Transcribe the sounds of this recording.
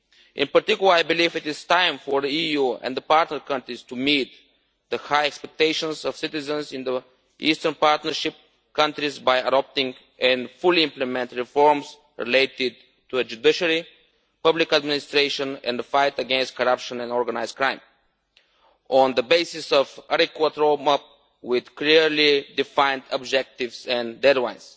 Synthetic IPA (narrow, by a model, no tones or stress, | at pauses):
ʔɪ̃npəɾt̪ikjlˠəaɪbɪlivɪt̪ɪz̥tãɪ̃mfɔɹðəijuɛ̰̃nd̪əpaɹt̪nəɹkʌ̃ntɾist̪umit̪̚ | d̪əhaɪɛkspɛk̚t̪eɪʃə̃nzɔv̥sɪt̪ɪzə̃nzɪ̃nd̪ə | ʔiːst̪əɹnpaɹt̪nəɾʃɪp̚ | kʌ̃ntɾizbajədɔp̚t̪ɪ̃ŋ | ɛ̃nfʊlˠiɪ̃mplɛmɛ̃nt̪ɹifɔɹms | ɹḭleɪt̪ɪd̪̚ | tuɛd͡ʒud̪ɪʃəɾi | pʌblɪkəd̪mɪnɪst̪ɾeɪʃə̃nɛ̰̃nd̪əfaɪt̪əɡɛ̃nst̚kɔɾʌpʃə̃nɛ̃nɔɹɡənaɪzkɾãɪ̃m | ɔ̃nd̪əbeɪsɪsɔvaɾikwət̪ɾoʊmap̚ | wɪd̪kliɹlid̪ɪfãɪ̃nd̪əbd͡ʒɛk̚t̪ɪvsɛ̃ndɛdlãɪ̃ns